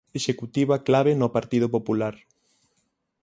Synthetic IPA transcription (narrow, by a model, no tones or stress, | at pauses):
eʃekut̪iβaklaβenʊpaɾt̪ið̞opopulaɾ